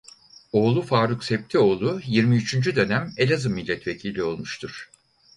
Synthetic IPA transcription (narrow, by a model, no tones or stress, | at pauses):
o̞ːlˠufaːɾuksɛp̚t̪ʰio̞ːlˠujiɾmiyt͡ʃʰynd͡ʒyd̪ø̞næme̞lʲazɯmːilʲːɛt̪ve̞cʰilʲio̞lˠmuʃt̪ʰuɾ̥